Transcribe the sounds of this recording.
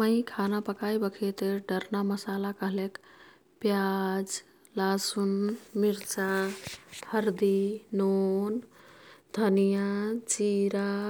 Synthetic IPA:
mə̃ĩkʰanapəkaibəkʰet̪eɖəɾnaməsalakəɦlek | pjad͡ʒ | lasunmiɾt͡ʃa | həɾd̪inon | d̪ʱənijat͡ʃiɾa

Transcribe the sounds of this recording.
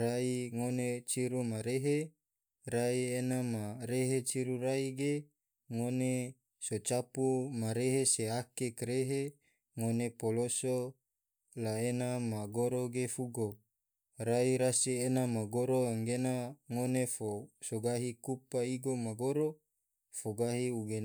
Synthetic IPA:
raiŋonet͡ʃiɾumaɾeɦe | raienamaɾeɦet͡ʃiɾuɾaiɡe | ŋone | sot͡ʃapumaɾeɦeseakekɾeɦe | ŋonepoloso | laenamaɡoɾoɡefuɡo | ɾaiɾasienamaɡoɾoaŋɡenaŋonefosoɡaɦikupaiɡomaɡoɾo | foɡaɦiuɡen

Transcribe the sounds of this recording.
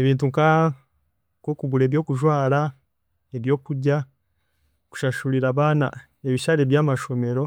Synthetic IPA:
eβiːntuŋka | kokuɡuɾeːβjo̞ːkuʒwaːɾa | eβjo̞ːkuɾɟa | ku̥ʃaʃuɾiɾaːβaːna̰ | eβiʃaɾeβjaːmaʃo̞me̞ɾo̞

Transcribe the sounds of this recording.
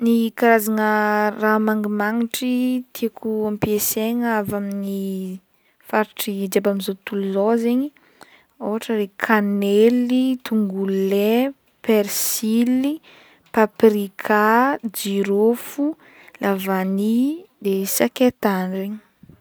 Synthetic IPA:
nikaɾazaŋəramaŋɡimaŋiʈ͡ʂit̪ʰiakʰuampieseŋəavamini | faɾiʈ͡ʂid͡ʒabamizot̪uluzozeɲi | oɦaʈ͡ʂəɾekʰanelit̪uŋɡule | peɾsili | paprikʰad͡ʒiɾofu | lavanid̪esaket̪anɖ͡ʐeɲi̥

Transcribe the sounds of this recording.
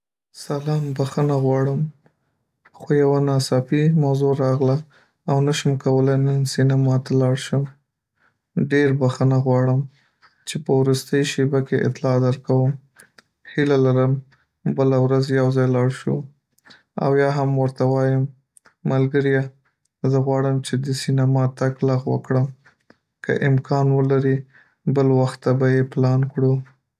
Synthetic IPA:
salɑmbaxənaɣwɑɽəm | xojawanɑsɑfimawzoɾɑɣlaː | wnaʃəmkawəlajnənsinamɑt̪alɑɽʃəm | ɖeɾbaxənaɣwɑɽəm | t͡ʃepəwɾust̪əjʃebakeʔɪ̰t̪lɑd̪əɾkawəm | hilalaɾəm | bəlawɾazjawzɑjlɑɽʃṵ | a̰wjɑɦamwəɾt̪awɑjəmː | alɡəɾja | zəɣwɑɽəmt͡ʃed̪əsinamɑt̪aklaɣwə̰kɽəm | kə̰ʔɪmkʰɑnwəlaɾi | bəlwaxt̪ːabajeplɑnkɽu

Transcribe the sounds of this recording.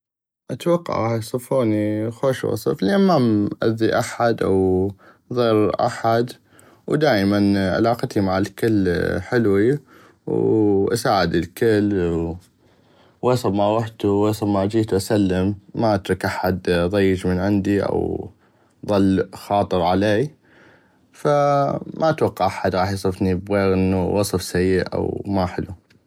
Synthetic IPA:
ʔat̪wɑqːɑ̰ʕajsˤɨfuːnixoːʃwɑ̰sˤɨflʔenmamʔa̰d̪ːiʔaħad̪ʔa̰w | ðˤiːɾʔa̰ħad̪ | wd̪aːʔmanʕa̰lɑːqt̪imaʕalkɪlːħɪlwi | wʔa̰saːʕɪd̪ɪlkɪlː | wɑːsˤɑbmawaħt̪uesˤɑbmaʔd͡ʒiːt̪wʔasalːɪmːaʔat̪ɾɑkʔaħad̪ðˤɑjːɪd͡ʒmɪnʕɪnd̪iʔa̰w | ðˤɑlːxɑːt̪ˤɨɾʕaleː | famʔaʔat̪wɑqːɑʕʔaħad̪ɾˤɑːħjsˤɨfnibɣeːɾʔɪnːuwʔɑsˤɨfsajːɪʔʔa̰wmaħɪlṵ

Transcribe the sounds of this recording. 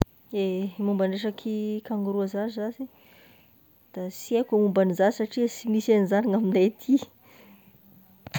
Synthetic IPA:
emumbaɳɖ͡ʐeʂakʰikaŋuɾuazazasi | d̪̥asiakʲamumbanizaisaʈ͡ʂiasimisanzaniŋaminat̪ʰi

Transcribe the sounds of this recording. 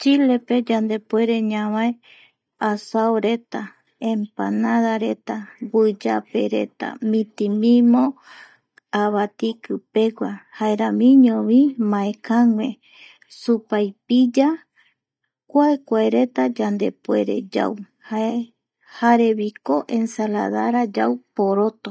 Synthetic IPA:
t͡ʃile̞pe̞d͡ʒand̪e̞pwe̞ɾe̞ɲãβae | asaoɾe̞t̪a | ẽmpanãðaɾet̪abɨd͡ʒape̞̰ɾe̞̰t̪a̰mĩt̪imĩmõ | aβat̪ikɨpe̞ɡʷahaeɾamĩɲõβimãekaŋʷẽ | supajpid͡ʒa | kʷaekʷaeɾe̞t̪ad͡ʒand̪e̞pwe̞̰ɾe̞̰d͡ʒa̰w | hae | haɾeβikoʔe̞nsala̰ðaɾad͡ʒawpoɾot̪o

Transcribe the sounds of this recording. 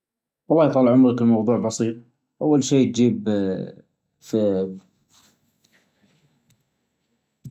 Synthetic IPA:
wɑlˤːɑːjt̪ˤɑlːʕʊmɾɑklmɑwðˤuːʕbɑsiːt̪̚ˤ | ʔawːalʃiːt̪̚d͡ʒiːb | f

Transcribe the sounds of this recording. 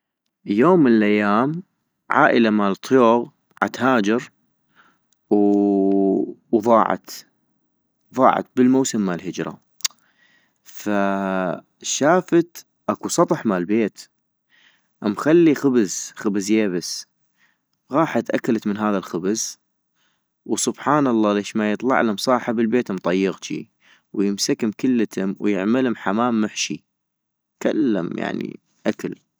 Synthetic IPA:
joːmːənəlʔajːaːm | ʕa̰ːʔəlamaːlt̪ˤjoːɣ | ʕa̰t̪haːd͡ʒɪɾ | w | ðˤɑːʕɑ̰t̪ | ðˤɑ̰ːʕɑ̰t̪̚bəlmowsəmːalɦɪd͡ʒɾˤɑ̰ | fa | ʃaːfat̪ | ʔakusˤɑt̪ˤħmalbeːt̪ | ʔamxalːixʊbzxɪbzjeːbɪs | ɣɑːħat̪ʔakalat̪mənɦaːðalxʊbz | wsʊbħɑːnɑlˤːɑːleːʃmajɨt̪ˤlɑ̰ʕlamsˤɑːħɪbɪlbeːt̪amt̪ˤɑjːɪɣt͡ʃḭ | wjɪmsakɪmkɪlːat̪ʰʊmwjɪ̰ʕmɪlhʊmħamaːmːʊħʃi | ka̰lːa̰mja̰ʕnḭ | ʔakal

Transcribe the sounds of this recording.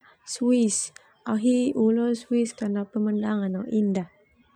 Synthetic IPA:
swis | aɦiʔulɔnswiskanapəməndaŋanaʔindah

